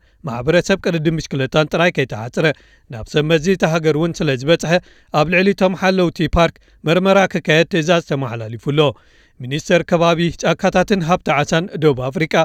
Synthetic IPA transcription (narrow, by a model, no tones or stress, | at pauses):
maħbɐɾɐsɐβkʼɨlɨd̪ɨmːɨʃkʰɨlɐt̪ʰːant̪ʼɨɾajkʰɐjt̪ʰɐħat͡sʼɾɐ | na̰βsɐmɐzit̪ʰɐɦaɡɐɾwunsɨlɐzɨβɐt͡sʼħɐ | ʔaβlɨʕlit̪ʰo̞mħalːɐwt̪ʰipʰaɾk | mɐɾmɐɾakʰɨkʰːajɛd̪̚t̪ʰɨzazt̪ʰɐmaħlalifulːo̞ | minist̪ʰɐɾkʰɐβaβit͡ʃʼakʰːat̪ʰat̪ʰɨnɦaβt̪ʰaʕasand̪obafɾikʼa